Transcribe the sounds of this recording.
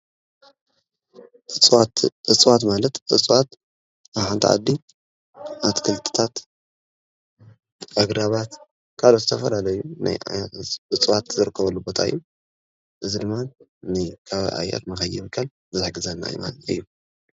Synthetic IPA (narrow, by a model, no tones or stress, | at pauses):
ɨt͡sʼwat̪malɐt̪ɨt͡sʼwat̪ | aβħant̪ʰiʕa̰d̪ːi | ʔat̪kʰɨlt̪ʰɨ̥t̪ʰat̪ | aɡɾaβat̪ | kʰalot̪zɨt̪ʰɐfɐlalɐjuna̰j | ɨt͡sʼwat̪zɨɾɨkʰːɐβɐlːubo̞t̪ʰa̰ɨ̰jːu | ʔɨzid̪ɨmːannɨkʰaβ̰ʔa̰jːa̰t̪mɐxɐjiβɨkʰːal | zɨzɨħɡɨzɐnːa̰ɨ̰ma̰nɨ̰jːu